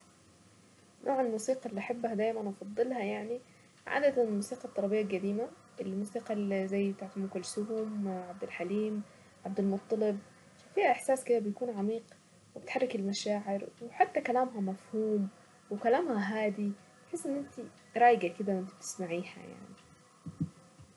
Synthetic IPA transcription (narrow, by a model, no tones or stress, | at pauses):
nʔoːʕelmuːsiːqɑlːiʔaħabːhæd̪æːjmænʔɑfɑd̪ˤːɨlhɑjaʕni | ʕa̰ːd̪æt̪ænelmuːsiːqɑt̪ˤːɑɾˤɑbejːalɡæd̪iːmæ | ʔelmuːsiːqɑlzæjːbet̪aʕt̪mʊkʊlsʊhomʕab̚d̪ɪlħaliːm | ʕab̚d̪ælmot̪ˤːɑleb̚ | fæfiːhæʔeħsæːsked̪æbejkuːnʕamiːq | webet̪ħarˤːekelmæʃaːʕeɾweħat̪ːækælæːmɦæmæfhuːm | wekælæːmhæɦaːd̪i | beħesːʔenːʔent̪i | ɾˤɑːjɡæked̪æwʔent̪ib̥̚t̪ɪ̥smaʕiːhæ̰ja̰ʕni